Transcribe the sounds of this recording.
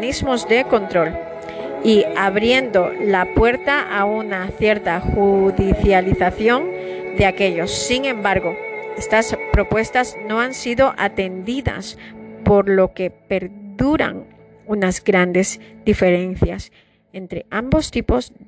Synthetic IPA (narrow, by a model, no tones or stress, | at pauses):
nizmo̞zðe̞kont̪ɾo̞l | iaβɾje̞nd̪o̞lapwe̞ɾt̪aʔaunaθje̞ɾt̪axuðiθjaliθaθjo̞ŋ | d̪e̞ake̞ʎo̞sːiŋẽ̞mbaɾɣo̞e̞st̪aspɾo̞pwe̞st̪azno̞ansiðo̞ʔat̪e̞nd̪iða̰spo̞ɾlo̞ke̞pe̞ɾðuɾa̰ŋ | unazɡɾand̪e̞zd̪̥ife̞ɾe̞n̟θjas | e̞nt̪ɾeambo̞st̪ipo̞z